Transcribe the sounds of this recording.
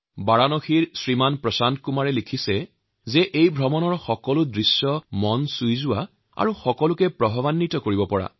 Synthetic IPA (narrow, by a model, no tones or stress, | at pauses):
baɹanoxiɹsɹimanpɹɔsankumaɹɛlikʰisɛ | zɛʔejbʱɹɔmɔnɔɹxɔkɔlʊdɹisjɔmɔnsujzʊwa | a̰ɹuxɔkɔlʊkɛpɹɔbʱɔβanːitɔkoɹibɔpɔɹa̰